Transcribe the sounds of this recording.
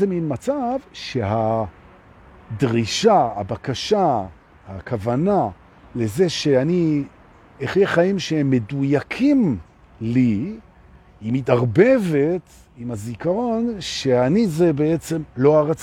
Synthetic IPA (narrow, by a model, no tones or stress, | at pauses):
eminmat͡savʃe̞ɦa | dʁiʃaha̰bakaʃa | ha̰kavana | le̞ze̞ʃe̞ani | eχjeχaimʃehemːe̞dujakʰim | li | imitaʁbe̞ve̞t | imazikaʁo̞nʃeanizebeet͡se̞mlo̞aʁat͡s